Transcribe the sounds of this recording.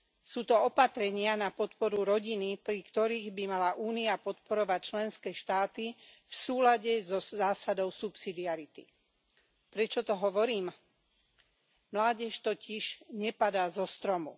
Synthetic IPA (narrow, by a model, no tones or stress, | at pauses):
suːt̪ɔɔpat̪ɾɛɲɪanapɔt̪pɔɾuɾɔɟinipɾikt̪ɔɾiːɣbimalaʔuːniapɔt̪pɔɾɔʋac̚t͡ʃlɛnskɛːʃt̪aːt̪i | fsuːlaɟɛzɔzaːsad̪ɔʊsupsid̪iaɾit̪ḭ | pɾɛt͡ʃɔt̪ɔɦɔʋɔɾiːm | mlaːɟɛʃt̪ɔciʒɲɛpad̪aːzɔst̪ɾɔmṵ